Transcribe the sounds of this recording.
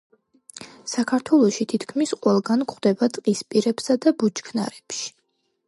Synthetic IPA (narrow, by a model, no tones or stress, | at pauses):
sakʰaɾt̪ʰwɛlˠɔʃit̪ʰit̪ʰkʰmisqʼwɛlˠɡankχd̪ɛbat̪ʼqʼispʼiɾɛpsad̪abut͡ʃkʰna̰ɾɛpʃi̥